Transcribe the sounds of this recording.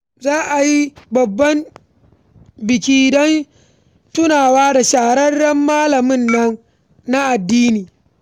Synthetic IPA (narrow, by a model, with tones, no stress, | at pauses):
zaː˦ʔa˨ji˦bɐ˨bːɐ˦m | bɪ˨kʲiː˦dɔ˦n | tʊ˦naː˨waː˦da˨ʃaː˨ɽɐ˦rːɐ˦mːaː˦lɐ˨mɪ˦nːɐ˦n | na˦ʔa˨dːiː˦niː˨